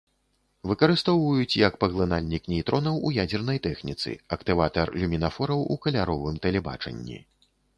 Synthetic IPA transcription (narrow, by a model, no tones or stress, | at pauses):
vɨkɐɾɨst̪ɔwvɐjut͡sʲjɐkpɐɣlˠɨnalʲnʲiknʲɛjt̪ɾʔɔnɐwujad͡zʲɛrnɐjt̪ɛxnʲit̪sɨ̰ɐkt̪ɨvat̪ɐrlʲumʲinafɔɾɐwukɐlʲaɾɔvɨmt̪ɐlʲɛba̰t͡ʂɐ̰nʲːḭ